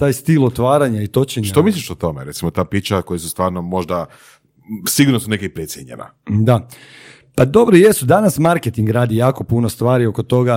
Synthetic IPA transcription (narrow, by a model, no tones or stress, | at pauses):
t̪aːjst̪ilot̪ʋaːɾaɲait̪o̞t͡ɕeɲɲʃat̪omislʲiʃot̪o̞meɾet̪simot̪aːpit͡ʃakojesu̥st̪ʋaːɾnomo̞ʒd̪a | siɡuɾnosunekeipɾet̪sjeɲḛna̰d̪a | pad̪o̞bɾojesud̪anasmaɾket̪iŋɡɾaːd̪ijaːko̞punost̪ʋaːɾio̞ko̞t̪o̞ɡa